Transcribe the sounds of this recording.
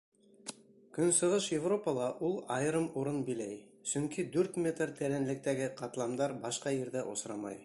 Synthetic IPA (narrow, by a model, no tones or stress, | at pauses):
kɵnsɤ̆ʁɤʃjɪvropəlˠɑʔulˠɑj̆ɾɤmuɾɤnbilæj | sɵŋkid̪ʉɾt̪mʲet̪rt̪æɾænlɘ̆k̚t̪æɡɘqɑt̪lˠɑmd̪ɑɾbɑʃqɑjɘ̆ɾðæʔo̰sɾɑmɑ̰j